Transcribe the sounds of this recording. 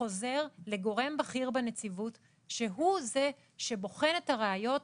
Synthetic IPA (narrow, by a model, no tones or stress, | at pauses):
o̞ze̞ʁle̞ɡo̞ʁe̞mbaχiʁbenet͡sivut | ʃeɦuze̞ | ʃe̞bo̞χe̞ne̞taʁeajo̞t